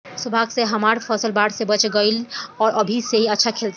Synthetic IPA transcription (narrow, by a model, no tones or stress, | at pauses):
sʊbʱaːɡseɦɐmaːɾfʰɔːsəlbaːɽsebɐt͡ʃɡəɪlɔːɾʔɐbʱiseɦiɐtːʃʰakʰeːlt̪